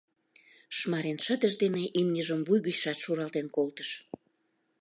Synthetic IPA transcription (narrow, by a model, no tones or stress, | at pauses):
ʃmɑɾenʃəd̪əʃd̪eneʔimnʲəʒəmvujɣyt͡ɕʃɑt̪ʃuɾɑlt̪enkolt̪əʃ